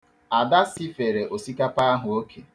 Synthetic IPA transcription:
a˨da˦si˦fe˨ɾe˨ʔo˨si˦ka˦pa˦a˦ɦʊ˨o˦kʰe˨

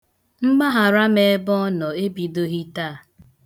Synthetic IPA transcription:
ŋ͡m̩˦ɡ͡ba˦ɦa˨ɾa˦me˨˦bɔ˦nɔ˨e˦bi˨do˦ɣi˦taː˦˨

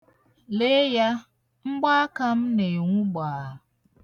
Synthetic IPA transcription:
le˦ja˦ | m̩˦ba˦ka˦mnẽ˨ŋũ˦baː˨

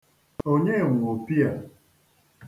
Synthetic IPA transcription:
o˦ɲe˦˨ŋʷʊ˨o˨pi˦a˨

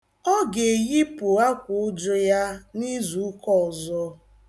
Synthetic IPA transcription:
ɔ˦ɡe˨ɣi˦pʊ˨a˦kʷʊ˨ʊ˦d͡ʒʊ˦ja˦ni˦zu˨˦kɔ˦˨zɔ˦

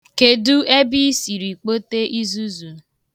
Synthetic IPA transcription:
ke˨du˦e˦bi˦si˨ɾi˨k͡po˦te˦ʔi˦zu˦zu˨

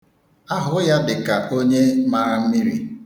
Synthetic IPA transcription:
a˦ɦʊ˨˦ja˦dɪ˨ka˨ʔo˦ɲe˦maː˦m̩˦mi˦ɾḭ˨

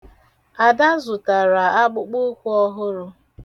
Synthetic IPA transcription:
a˨da˦zʊ˨ta˨ɾa˨a˦ɡ͡bʊ˦k͡pʊ˦kʷu˦ɔ˦ɦʊ˦ɾʊ˦

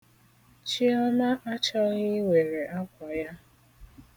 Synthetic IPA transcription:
t͡ʃi˦ɔ˦na˦ʔa˦t͡ʃa˦ɲɪ˦we˨ɾe˨ʔa˦kʷa˨ja˦

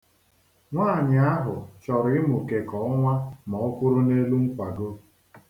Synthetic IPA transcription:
ŋʷaː˦˨ɲɪ˨a˦ɦʊ˨t͡ʃɔ˨ɾɪ˦mʊ˨ke˨kɔ˨ʊ˦ŋʷa˦mɔ˨ʊ˦kʷʊ˦ɾʊ˦ne˦lu˦ŋ̩˦kʷa˨ɡo˦

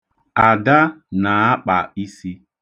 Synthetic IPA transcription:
a˨da˦na˨a˦k͡pa˨i˦si˦

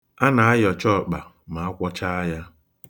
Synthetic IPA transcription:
a˦na˨a˦jɔ˨t͡ʃɔ˦˨k͡pa˨ | ma˨a˦kʷɔ˦t͡ʃa˦a˦ja˦

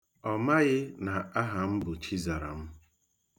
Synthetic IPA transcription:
ɔ˨ma˦ɣɪ˦na˨a˦ɦa˨m̩˦bʊ˨t͡ʃi˦za˨ɾa̰˨m̩˦

